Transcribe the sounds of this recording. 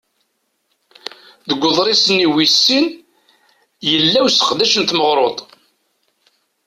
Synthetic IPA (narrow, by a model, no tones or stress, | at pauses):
ðəɡʷːʊðˤɾisəniwisːin | jəlːæwsə̥qd̪æʃənt̪məʁɾˤot̪ˤ